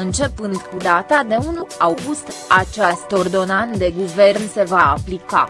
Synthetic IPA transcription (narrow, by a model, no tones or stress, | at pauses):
ɨnt͡ʃe̞pɨnd̪kud̪at̪ad̪e̞unulawɡust̪at͡ʃast̪o̞rd̪o̞nand̪e̞ɡuvernse̞vaːplika̰